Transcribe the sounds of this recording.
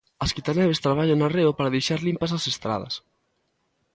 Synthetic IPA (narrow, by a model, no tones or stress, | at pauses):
ɐskit̪anɛβest̪ɾaβ̞aʎaŋnareʊpaɾaðejʃaɾlimpasasest̪ɾa̰ð̞ɐ̰s